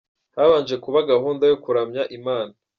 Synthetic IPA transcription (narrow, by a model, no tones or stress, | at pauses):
haβaːnʒe̞kuβaɡahuːndajokuɾamɲaʔimaːna